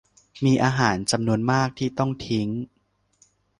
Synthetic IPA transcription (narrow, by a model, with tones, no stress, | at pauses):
miː˧ʔaː˧ɦaː˩˦nt͡ɕa˧mnu˧ənmaː˥˩k̚t̪ʰiː˥˩t̪ɔ˥˩ŋt̪ʰi˦˥ŋ